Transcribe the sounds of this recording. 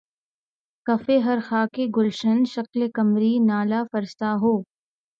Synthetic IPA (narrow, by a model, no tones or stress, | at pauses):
kɐfeɦɐɾxaːkeɡʊlʃənʃɐklekɐmɾinaːlafɐɾst̪aɦoː